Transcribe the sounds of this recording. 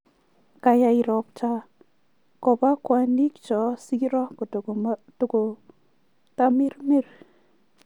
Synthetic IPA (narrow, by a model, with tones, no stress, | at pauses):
ka˨ja˨i˨ɾɔ˨p̚t͡ʃa˦ | kɔ˨ba˦kwa˨ni˦kt͡ʃɔ˨si˦ɾɔ˦kɔ˨ttko˨ | ta˦mi˦ɾmi˦r